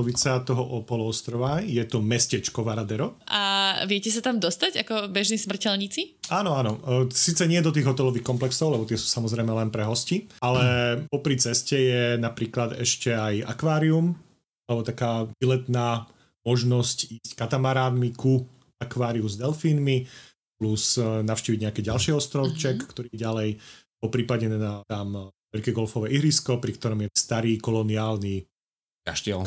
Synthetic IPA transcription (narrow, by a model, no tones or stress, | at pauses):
ɔʋit͡sat̪ɔɦɔʔɔpɔlɔɔst̪ɾɔʋajɛt̪ɔmɛscɛt͡ʃkɔʋaɾad̪ɛɾɔʔaʋɪɛcɛs̬at̪amd̪ɔst̪aɟakɔbɛʒnismr̩cɛlɲit͡siaːnɔanɔsiːt͡sɛɲɪɛd̪ɔt̪̬iːɣɦɔt̪ɛlɔʋiːxkɔmplɛksɔʊlɛbɔt̪ɪɛsu̥ːsamɔzɾɛjmɛlɛnpɾɛɦɔscialɛpɔpɾit͡sɛscɛjɛnapɾiːklad̪ɛ̰ʃcɛaja̰kʋaːɾium | alɛbɔt̪akaːbilɛt̪naː | mɔʒnɔsciːsckat̪amaɾaːd̪miku | akʋaːɾiuzd̪ɛlfiːnmi | plusnaʊʃciːʋiɟɲɛakɛːɟalʃiɔst̪ɾɔʊt͡ʃɛkːt̪ɔɾiːɛɟalɛj | pɔpɾiːpaɟɛad̪aːmʋɛʎkɛːɡɔlfɔʋɛːʔiɦɾiskɔpɾikt̪ɔɾɔmjɛst̪aɾiːkɔlɔniaːlni | ka̰ʃt̪iɛl